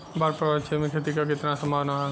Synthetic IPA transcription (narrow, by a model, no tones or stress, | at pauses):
baɾpəɾət͡ʃʰemẽkʰeːt̪ikak̬ɪt̪nasə̃mbʱaːʋna